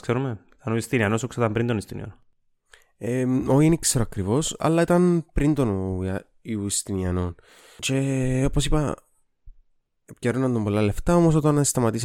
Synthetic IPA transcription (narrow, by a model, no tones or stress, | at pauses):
skseɾumeit̪ɐnoist̪iniɐnosoksot̪ɐmpɾind̪onist̪inḭɐ̰no | eoiinikseɾoɐkɾivo̞sɐ̰lːɐit̪ɐnpɾind̪o̞noɐ | iuist̪iniɐno̞n | t͡ʃe̞o̞posipɐ | pceɾonɐnd̪ombo̞lːɐle̞ft̪ɐo̞mos̬o̞t̪ɐnst̪ɐmɐt̪is